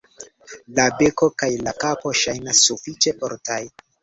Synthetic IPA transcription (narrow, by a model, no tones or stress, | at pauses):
labe̞ko̞kajlakapo̞ʃajnasːufit͡ʃe̞ʔo̰ɾtaj